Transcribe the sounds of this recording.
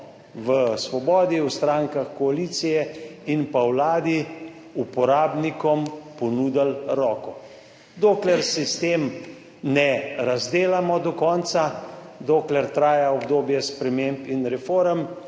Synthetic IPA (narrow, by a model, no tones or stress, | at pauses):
ʋəsʋɔbɔːd̪iwst̪ɾaŋkaxkɔaliːt̪sijɛinpawlaːd̪i | upɔɾaːbnikɔmpɔnuːd̪alɾɔːkɔ | d̪oːklɛɾsist̪eːm | nɛɾazd̪eːlamɔd̪ɔkɔnt̪sad̪oːklɛɾt̪ɾaːjaɔbd̪oːbjɛspɾɛmeːmpinɾɛfoːɾəm